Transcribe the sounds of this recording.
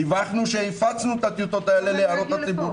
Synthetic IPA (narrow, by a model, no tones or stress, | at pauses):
ivaχnuʃeifat͡snut̪at̪ijut̪o̞t̪aeleleaɾo̞t̪hat͡sibu